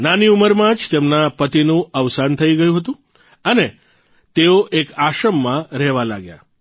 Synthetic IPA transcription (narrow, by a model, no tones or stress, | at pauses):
naniuməɾmãd͡ʒt̪emnapət̪inũəʋsant̪ʰəiɡəjũɦət̪ũ | əne | t̪eoʔekaʃəmːãɾɛɦʋala̰ɡja̰